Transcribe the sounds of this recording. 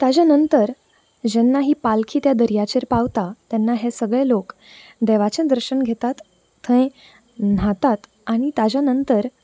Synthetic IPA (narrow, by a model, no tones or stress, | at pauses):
t̪ad͡ʑanənt̪əɾ | d͡ʑɛnːaɦiːpalkʰiːt̪jad̪əɾijat͡ɕeɾpaʋt̪at̪jɛnːaɦesəɡɭelok | d̪ɛʋat͡ɕənd̪əɾɕəɳɡʱet̪at̪ʰː | ə̃ẽ | n̤at̪at̪ | aɽ̃it̪ad͡ʑanənt̪əɾ